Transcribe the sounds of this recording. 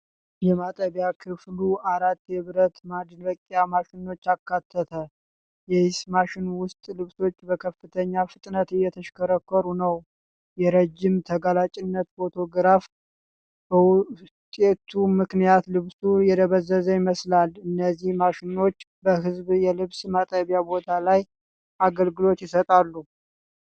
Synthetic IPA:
jɛmat̪ʼəβijakʰɨfluʔaɾat̪ːjɛβɨɾət̪mad̪ɨnbəkʼjamaʃɪno̞t͡ʃːakːat̪ʰːət̪ʰə | jɛhɪsmaʃɪnwʊst̪ʼlɨβso̞t͡ʃːbəkʰəfːɨt̪ʰəɲːafɨt̪ʼnət̪ɨjːɛt̪ʰəʃkʰəɾəkːəɾunəw | jɛɾəd͡ʒːɪmt̪ʰəɡalat͡ʃʼɪnːət̪fo̞t̪ʰoɡɨɾaf | bəwʊ | t̪ʼe̞t̪ʰumɨknijat̪lɨβsujɛd̪əβəzːəzəjɪməslalɨnːəzːihmaʃɪno̞t͡ʃː | bəɦɨzbjɛlɨβsmat̪ʼəβijabo̞t̪ʰalaj | ʔaɡəlɡɨlo̞t̪jɪsət̪ʼalːu

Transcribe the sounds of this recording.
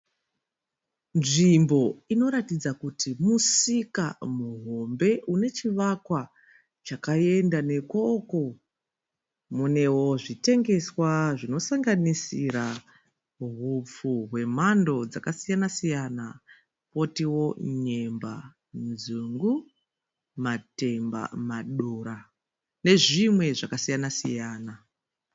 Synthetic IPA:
nʐimbo̞ino̞ɾatid͡zakutimusikamuɦo̞mbe̞ʔune̞t͡ʃiʋakwa | t͡ʃakae̞ndane̞ko̞ko̞ | mune̞wo̞ʐite̞ŋɡe̞swaʐino̞saŋɡanisiɾa | ɦup͡fuɦwe̞mando̞d͡zakasijanasijana | po̞tiwo̞ɲe̞mba | nzuŋɡu | mate̞mba̰maɗoːɾa | ne̞ʐimwe̞ʐakasijanasḭjaːna

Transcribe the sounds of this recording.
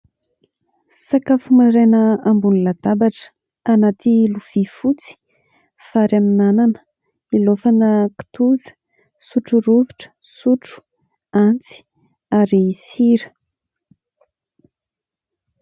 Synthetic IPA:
sakafumaɾajnəambunilad̪̥abaʈ͡ʂə̥ | anat̪iluv̥ifut͡si̥ | faɾaminananə̥ | ilofanəki̥t̪uzə̥ | suʈ͡ʂuɾuviʈ͡ʂə̥suʈ͡ʂu̥ | ant͡si̥ | aɾisiɾə̥

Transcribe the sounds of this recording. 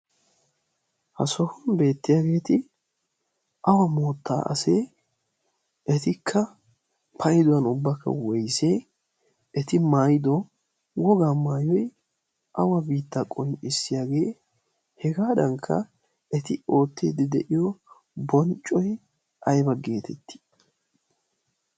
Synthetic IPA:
hɐ̰sɔhɔnbe̞ːt̪ːɪjaːɡe̞ːt̪ɪ | ʔɐwɐmoːt̪ːa̰ːʔɐ̰se̞ː | ɛt̪ɪkʰːɐ | pʰɐjd̪ʊwɐnʊbːakːɐ̰wɔjseː | ɛt̪ɪmaːjɪd̪ɔ | wɔɡaːmaːjɔj | ʔɐwɐbiːt̪ːakʼɔnt͡ʃʼːɪsːɪjaːɡe̞ː | hɛɡaːd̪ɐŋkʰːɐ̰ | ɛt̪ɪo̞ːt̪ːḭd̪ɪd̪ɛʔɪjɔ | bɔnt͡ʃʼːɔj | ʔɐjbɐɡe̞ːt̪ʰɛt̪ːɪ̥

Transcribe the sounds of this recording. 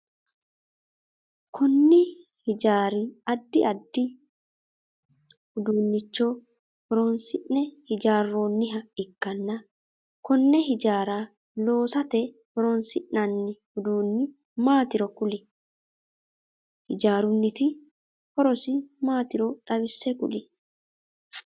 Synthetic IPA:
kʰɔnːɪ | hɪd͡ʒaːɾɪɐd̪ːɪɐd̪ːɪ | hʊd̪uːnːɪt͡ʃːo | hɔɾoːnsɪʔnɛhɪd͡ʒaːrːoːnːɪɦɐɪkːɐnːɐ | kɔnːɛɦɪd͡ʒaːɾaː | lo̞ːsɐt̪ɛhɔɾonsɪʔɐnːɪhʊd̪uːnːɪ | maːt̪ɪɾɔkʊlɪ | hɪd͡ʒaːɾʊnːɪt̪ɪ | hɔɾɔsɪmaːt̪ɪɾɔt̪ʼɐβɪsːɛkʊ̰lɪ

